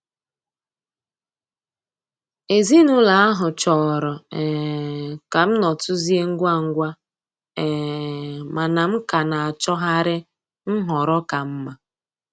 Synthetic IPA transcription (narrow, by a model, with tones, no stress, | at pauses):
e˨zi˦nʊ˦la˨a˦ɦʊ˨t͡ʃɔ˨ɾɔ˨ɛ˨ka˨m̩˦nɔ˨tʊ˦zi˦e˦ŋ̩˦ɡʷa˦˨ŋ̩˦ɡʷa˦ | ɛ˨ | ma˨na˨m̩˦ka˨na˨a˨t͡ʃɔ˦ɦa˦ɾɪ˦ | n̩˦ɦɔ˨ɾɔ˦ka˨m̩˦ma˨